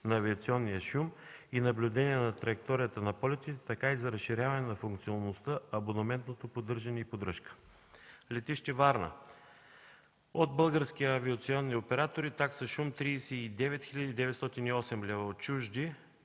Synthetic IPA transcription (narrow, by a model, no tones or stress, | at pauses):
nɐːviɐt̪siɔnːijəʃuminɐblʲʊd̪ɛniɛnɐt̪ɾɐjɛk̚t̪ɔɾijət̪ənɐpɔlʲɛt̪it̪ɛt̪ɐkaizɐɾɐsʃiɾʲavɐnɛnɐfuŋk̚t̪sionːost̪əɐbonɐmɛnt̪not̪opod̪ɤɾʒɐnɛipod̪ɾəʃkə̥ | lɛt̪iʃt̪ɛvaɾnə̰ | od̪bɤlˠɡəɾskiəːviɐt̪siɔnːiopɛɾat̪oɾit̪aksɐʃumt̪ɾiːsɛid̪ɛvɛt̪xiʎʲɐd̪id̪ɛvɛt̪st̪ɔt̪iniɔsɛmlʲɛvɐt͡ʃuʒd̪i